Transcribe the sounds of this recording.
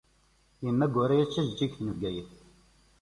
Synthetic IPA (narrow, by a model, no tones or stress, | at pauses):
jəmːæɡʊɾæjæt͡ʃːæʒd͡ʒikθnəvɡæjəθ